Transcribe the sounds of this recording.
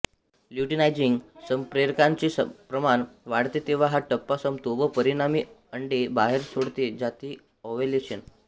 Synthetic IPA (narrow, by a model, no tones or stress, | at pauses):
ljuʈinajd͡ʑiŋɡsəmpɾeɾkãɲt͡ɕesəpɾəmanʋaɽt̪et̪eʋ̤aɦaʈəpːasəmt̪oʋəpəɾiɽamiːəɳɖebaɦeɾsoɽt̪ed͡ʑat̪iː | ɔʋeleɕen